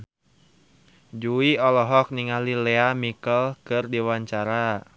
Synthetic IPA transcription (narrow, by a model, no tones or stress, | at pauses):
d͡ʒuiɔlɔɦɔk̚niŋalilɛamikəlkɨrdiwaɲt͡ʃaɾa